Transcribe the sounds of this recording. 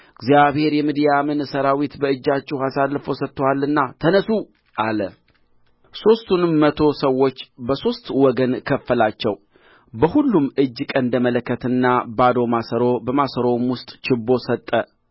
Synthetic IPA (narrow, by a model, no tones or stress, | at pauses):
ɨɡzijaβhe̞ɾjɛmid̪ijamɨnsəɾawit̪bəɨd͡ʒːat͡ʃːɪhasalːfo̞sət̪ʼːəwalːɨnːat̪ʰənəsu | ʔalə | so̞st̪ʰunmət̪ʰo̞səwːo̞t͡ʃːbəso̞st̪wɔɡənkʰəfːəlat͡ʃːɛw | bəhulːumɨd͡ʒːkʼənd̪əmələkːət̪ɨnːabad̪o̞masəɾo̞bəmasəɾo̞mwʊst̪ʼt͡ʃɪbːo̞sət̪ʼːə